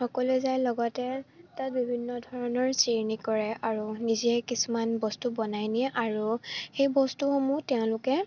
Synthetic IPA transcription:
xɔkɔlɛzajlɔɡɔtɛtat̚bibʱinːɔdʱɔɹɔnɔɹsiɹnikɔɹɛaɹuniziɛkisumanbɔstubɔnajniɛʔaɹuxejbɔstuxomutɛʊ̃lʊkɛ

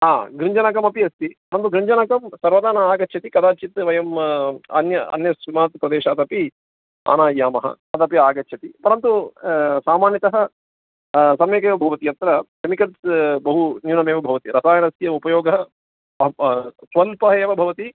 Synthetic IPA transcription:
ɦaːɡɾiɲd͡ʒɐnakɐmɐpiɐst̪ipɐɾɐnt̪uɡɾiɲd͡ʒɐnɐkɐmsɐɾʋɐd̪aːnɐaːɡɐt͡ʃːʃʰɐt̪ikɐd̪aːt͡ʃit̪ʋɐjɐmɐ̰njɐɐ̰njɐsʋimaːt̪pɾɐd̪eːʃaːt̪ɐpi | a̰ːnaːaːmɐɦɐ̰ | ɐt̪ɐpjɐaːɡɐtːʃʰɐt̪ipɐɾɐnt̪usaːmaːnjɐt̪ɐɦɐ | sɐmeːkeːʋɐbʱɐʋɐt̪iɐt̪ɾɐkemikɐlsbɐɦunjuːnɐmeːʋɐbʱɐʋɐt̪iɾɐsaːjɐnɐst̪jɐupɐjoːɡɐɦɐ | sʋɐlpɐɦɐeːʋɐbʱɐʋɐt̪i

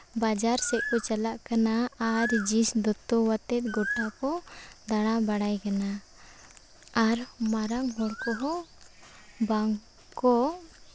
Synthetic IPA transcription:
bad͡ʒaɾsɛʔ̚kɔt͡ʃalaʔkanaːɾd͡ʒisd̪ɔt̪ɔwat̪ɛt̪̚ɡɔʈakɔd̪aɽ̃abaɽajkana | aɾmaɾaŋɦɔɽkɔɦɔ | baŋ | kɔ

